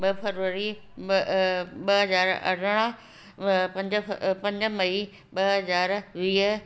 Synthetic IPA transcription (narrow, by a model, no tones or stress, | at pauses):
ɓɐfɐɾʋəɾi | ɓɐɦɐzaːɾɐ̰ɽ̤əɽ̃ə | pɐ̃ɲd͡ʑpɐ̃ɲd͡ʑə̆mɐi | ɓɐɦɐzaːɾʋiːɦə